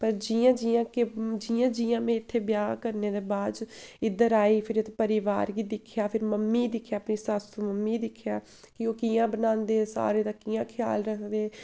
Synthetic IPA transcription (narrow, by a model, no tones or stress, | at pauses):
pəɾd͡ʒiːãːd͡ʒiãːked͡ʒiːãːd͡ʒiːjãːmẽːɪt̪ʰːeːbjaːkəɾneːd̪eːbaːd͡ʒɪd̪əɾaːiːpʰɪɾet̪ːpəɾɪʋaːɾɡiːd̪ɪkʰjaːpʰɪɾməmːiːd̪ɪkʰjaːpniːsasuməmːiːd̪ɪkʰːjaː | kɪoːkijãːbənãːnd̪eːsa̰ːɾeːt̪aːkijãːkʰɪja̰ːlɾəkʰd̪eː